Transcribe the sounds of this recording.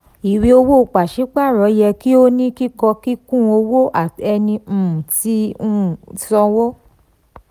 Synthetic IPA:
i˨wi˧o˧wo˦o˨k͡pa˨ʃi˨˦k͡pa˦˨ɾɔ˨˦jɛ˧ki˦o˦nĩ˦ki˦kɔ˧ki˦kũ˦o˧wo˦ʔa˨ɛ˧nĩ˧˨tĩ˨˦˨sɔ̃˧wo˦

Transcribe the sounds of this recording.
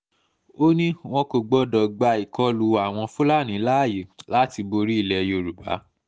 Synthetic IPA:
o˦nĩ˦w̃ɔ̃˧ko˨ɡ͡bɔ˧dɔ˨ɡ͡ba˧i˨kɔ˦lu˨˧˦a˨w̃ɔ̃˧fu˦la˦˨nĩ˨˦la˦˨je˨la˦ti˧bo˧ɾi˦i˦˨lɛ˧jo˧ɾu˨ba̰˨˦

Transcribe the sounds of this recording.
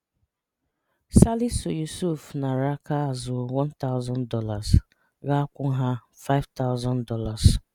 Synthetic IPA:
sa˦li˦sʊ˨ju˨su˦˨fna˨ɾa˦ka˦a˨zʊ˨wɔ˦nta˦ʊ˦zɔ˦ndɔ˦la˨s | ɣa˦kʷʊ˦ɦa˦ | fa˦ɪ˦vta˦ʊ˦zɔ̃˦ndɔ˦la˨s

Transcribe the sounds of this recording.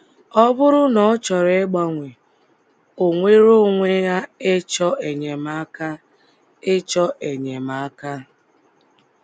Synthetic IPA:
ɔ˦bʊ˦ɾʊ˦nɔ˨˦t͡ʃɔ˨ɾe˦e˦ɡ͡ba˦ŋʷe˨ | o˨ŋʷe˦ɾo˦ŋʷe˦ja˦e˦t͡ʃɔ˦ʔe˨ɲe˨ma˦ka˦ | e˦t͡ʃɔ˦ʔe˨ɲe˨ma˨˦ka˦

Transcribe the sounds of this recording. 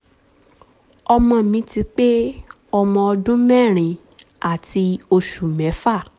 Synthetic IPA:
ɔ˧mɔ̃˧mĩ˧˦ti˧k͡pe˦ | ɔ˧mɔ̃˧ɔ˧dũ˦mɛ˦˨ɾ̃ĩ˨ | a˨ti˧o˧ʃu˨mɛ̃˨˦fa˦˨

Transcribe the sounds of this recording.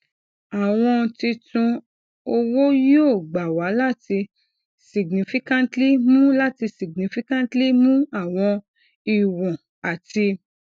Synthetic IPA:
a˨w̃ɔ̃˧ti˧tũ˧ | o˧wo˦jo˦˨ɡ͡ba˨wa˨˦la˦ti˧ | si˨ɡnĩ˨˦fi˦kã˦n˦tli˦mũ˦la˦ti˧si˨ɡnĩ˨˦fi˦kã˦n˦tli˦mũ˦a˦˨w̃ɔ̃˧ | i˨wɔ̃˨ | a˨ti˧

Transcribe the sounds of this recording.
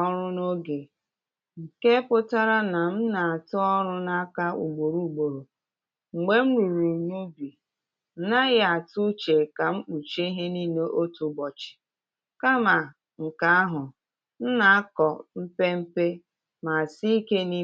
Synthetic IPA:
ɔ˦ɾʊ˦no˦ɡe˨ | ŋ̩˨ke˦pʊ˦ta˦ɾa˦na˨m̩˦na˨a˨tʊ˦ɔ˦ɾʊ˦na˦ka˦ṵ˨ɡ͡bo˨ɾu˨ɡ͡bo˨ɾo˨ | ŋ͡m̩˨ɡ͡be˦m̩˦ɾu˨ɾu˨ɲu˦bi˨ | n̩˨˦na˦ɣa˨tʊ˦t͡ʃe˨ka˨ŋ͡m̩˦k͡pu˨t͡ʃe˦i˦ɦe˦ni˦ne˦ʔo˦tu˨˦ɡ͡bɔ˨t͡ʃɪ̥˨ | ka˦ma˨ | ŋ̩˨ka˨˦a˦ɦʊ˨ | n̩˦na˨a˦kɔ˨m̩˦pe˦m̩˦pe˦ | ma˨si˦i˦ke˦ni˦

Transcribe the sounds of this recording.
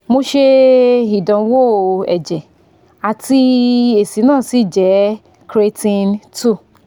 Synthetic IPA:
mo˧ʃe˧i˨dã˨˦wo˦˨ɛ̰˨d͡ʒɛ˨ | a˨ti˧e˨si˨˦nãː˦˨si˦˨d͡ʒɛ˨˦ | kɾe˧tĩ˧ntu˦˨

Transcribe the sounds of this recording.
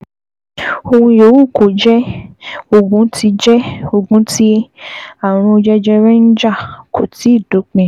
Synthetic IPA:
o˧hũ˧jo˨˦wu˦˨ko˨d͡ʒɛ˦ | o˧ɡũ˨˦tʰi˧d͡ʒɛ˦o˧ɡũ˨˦ti˦ | a˦˨ɾ̃ũ˧o˧d͡ʒɛ˦d͡ʒɛ˦ɾɛ˦n̩˦d͡ʒa˦˨kʰo˨ti˨˦i˦˨do˨˦k͡pɛ̃˦˨

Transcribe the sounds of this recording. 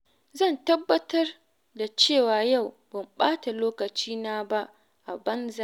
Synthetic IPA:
zɐ˦˨ntɐ˦bːɐ˦tɐ˦r | da˨t͡ʃeː˦˨waː˨ja˦˨w | bɐ˨mɓaː˦ta˨loː˦kɐ˨t͡ʃiː˦naː˦ba˦ʔ | ʔa˨bɐ˦nza˦

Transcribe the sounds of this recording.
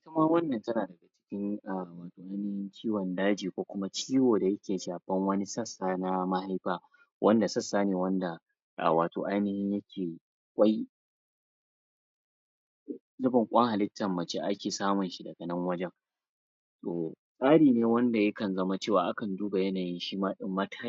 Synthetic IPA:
ʔɪ˦tɐ˦ma˦wɐ˦nːɐ˨ntɐ˦naː˨dɐ˨ɡa˨t͡ʃɪ̥˦kʲɪ˦ŋʔa˨waː˨toː˨ʔa˦jnɪ˦hɪ˦nt͡ʃiː˦wɐ˨ndaː˦d͡ʒiː˨kʷoː˦kʷʊ˦ma˦t͡ʃiː˦woː˨da˨jɐ˦kʲeː˨ʃaː˨ɸɐ˦ŋwɐ˦ni˦sɐ˦˨sːaː˦na˦ma˦ha˦jɸaː˦ | wʔɐ̰˦nda˨sɐ˦sːaː˦neː˨wɐ˦nda˨ | ʔa̰˨waː˨to̰ː˨ʔa˦jnɪ˦hɪ˦ɲjɐ˦kʲʰeː˨ | kʷʼɐ˦j | zʊ˦bɐ˨ŋkʷʼɐ˦ŋha˨lɪ˦tːɐ˨mːɐ˨t͡ʃe˦ʔa˦kʲeː˨saː˦mʊ˨nʃi˨dɐ˨ɡɐ˨nɐ˦ŋwɐ˦d͡ʒɛ˦ŋ | toː˨ | sʼaː˦ɽiː˨neː˦wɐ˦nda˨jɐ˦kɐ˨nzɐ˦ma˦t͡ʃeː˦˨wa̰ː˨ʔa˦kɐ˨nduː˦ba˨jɐ˦naː˨jɪ˦nʃiː˦maː˦ɗɪ˦mːɐ˦tʰaː˦

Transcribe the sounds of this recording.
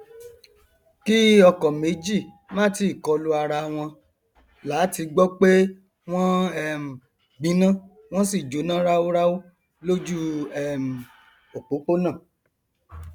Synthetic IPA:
ki˦ɔ˧kɔ˨me˨˦d͡ʒi˦˨ | mãː˦ti˦˨kɔ˧lu˦a˧ɾa˧w̃ɔ̃˧ | la˨˦ti˧ɡ͡bɔ˦k͡pe˦ | w̃ɔ̃˦ɛ˦˨m̩˨ | ɡ͡bĩ˨˦nã˦˨ | w̃ɔ̃˦si˦˨d͡ʒo˨˦nã˦ɾa˦wo˦ɾa˦wo˦ | lo˦d͡ʒu˦ɛ˦˨m̩˨ | o˨k͡po˨˦k͡po˦nã˦˨

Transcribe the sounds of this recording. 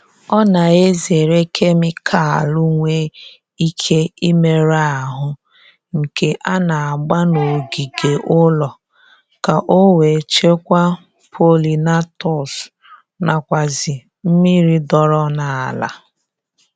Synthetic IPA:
ɔ˦na˨e˦ze˨ɾe˦kʰe˦mɪ˦kʰa˨a˨lʊ˦ŋʷe˦ | i˦kʰe˦i˦me˨ɾa˦˨ɦʊ˦ | ŋ̩˨ke˦ʔa˦na˨a˨ɡ͡ba˦no˨ɡi˨ɡe˨ʔʊ˦lɔ˨ | ka˨ʔo˦we˨t͡ʃe˦kʷa˦ | pʰo˦li˨na˦tɔ˨s | na˨kʷa˨zɪ˨ | m̩˦mi˦ɾi˦dɔ˨ɾɔ˦na˨a˨la̰˨

